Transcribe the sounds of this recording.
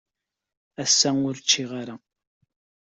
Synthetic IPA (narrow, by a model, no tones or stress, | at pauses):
æsːæʊɾt͡ʃːiʁaɾa